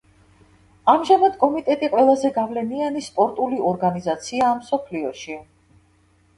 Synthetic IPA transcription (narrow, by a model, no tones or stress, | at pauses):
amʒamad̪kʼɔmit̪ʼɛt̪ʼiqʼwɛlˠazɛɡavlɛnianispʼɔɾt̪ʼuliɔɾɡanizat̪sʰiaːmsɔpʰliɔʃi